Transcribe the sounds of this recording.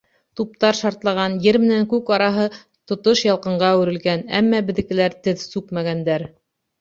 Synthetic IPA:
t̪up̚t̪ɑɾʃɑɾt̪lˠɑʁɑnjɘɾmɘ̆næŋkʉkɑɾɑɦɤ | t̪ŏt̪oʃjɑlˠqɤ̆ɴɢɑʉɾɘ̆lɡænæ̰mːɑbɘ̆ðɘ̆kɘ̆læɾt̪ɘðsʉkmæɡænd̪æɾ

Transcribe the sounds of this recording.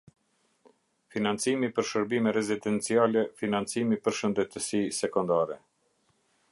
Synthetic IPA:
finant͡simipəɾʃəɾbimɛɾɛzid̪ɛnt͡sialɛfinant͡simipəɾʃənd̪ɛt̪əsisɛkɔnd̪aɾɛ

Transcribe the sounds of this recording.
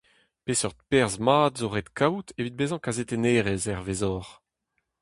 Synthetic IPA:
pesɔʁd̪pɛʁzmaːd̪zoʁet̪kawt̪ʰevid̪̚bezɑ̃kazet̪eneːʁezɛʁvezɔːʁ

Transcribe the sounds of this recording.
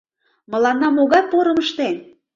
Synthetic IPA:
mə̆lɑnːɑmoɣɑjpoɾə̆məʃt̪en

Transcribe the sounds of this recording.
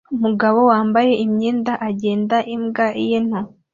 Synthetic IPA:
umuɡaβo̞waːmbaje̞ʔimɲeːndaʔaɟe̞ːndaʔimɡaʔijen̥ho

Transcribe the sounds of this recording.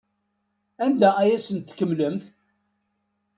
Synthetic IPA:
ænd̪ææjæsənt̪ːkːəmləmθ

